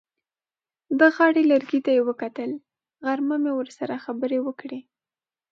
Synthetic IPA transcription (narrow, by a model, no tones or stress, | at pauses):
d̪əɣɑɽeləɾɡit̪ajewəkat̪əl | ɣaɾmamewəɾsaɾaxabəɾewəkɽe